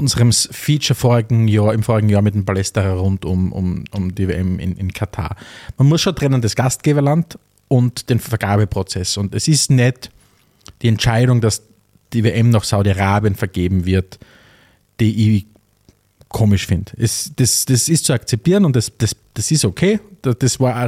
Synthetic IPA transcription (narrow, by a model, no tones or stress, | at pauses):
ʊnzəʁəmfiːt͡ʃɐfoːɐʁɪɡŋ̩jaːɐɪmfoːɐɪɡŋ̩jaːɐmɪt̚dempalɛstəʁaʁʊntʊmʔʊ̰mʊmdivḛʔɛmɪ̰nʔɪ̰nkʰatʰa̰ːɐmanmʊsʃoːntʁ̥ɛnəndasɡ̥ast̚ɡ̥eːbɐlant | ʔʊntd̥eːnfɛɐɡ̥aːbəpʁ̥ot͡sɛsʊntɛsɪstnɛt | d̥iːɛntt͡ʃaɪɾʊŋdas | d̥iveʔɛmnaχsaʊɾiaʁaːbijənfɛɐɡ̥eːbm̩vɪɐt | d̥iʔɪ | kʰoːmɪʃfɪndɛsd̥asd̥asɪstt͡suakt͡sɛp̚tiːɐənʊntdasd̥asd̥asɪstokʰeːd̥d̥asvaːɐ